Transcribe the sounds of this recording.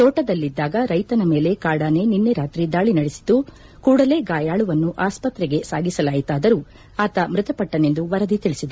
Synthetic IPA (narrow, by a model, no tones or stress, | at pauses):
t̪ɔːʈɐd̪ɐlːid̪ːaːɡɐɾɐjt̪ɐnɐme̞ːle̞kaːɽaːne̞ninːeɾaːt̪ɾid̪aːɭinɐɽesi̥d̪u | kuːɽɐle̞ːɡaːjaːɭuʋɐnːuʔaːspɐt̪ɾɛɡe̞saːɡisɐlaːjit̪aːd̪ɐɾuː | aːt̪ɐmɾɪt̪ɐpɐʈːɐne̞nd̪uʋɐɾɐd̪it̪iɭisid̪e